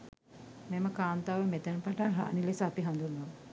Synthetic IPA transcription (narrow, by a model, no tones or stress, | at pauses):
meməkaːnt̪aːʋəmet̪ənəpaʈanɦa̰ːnilesəːpiɦand̪unːoʋ